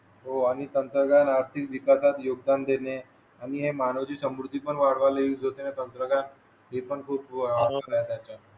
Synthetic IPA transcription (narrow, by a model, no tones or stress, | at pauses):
ɦoañit̪ənt̪ɾəɡanaɾt̪ʰikʋikasat̪joɡ̚d̪and̪ene | aniɦemanəʋd͡ʑiːsəmɾud̪ʱːipəɳʋaɽ̤ʋaleid͡zot̪enet̪ənt̪ɾəɡan | ɦepəɳkʰuːpaɾoəɾat̪jat͡ɕa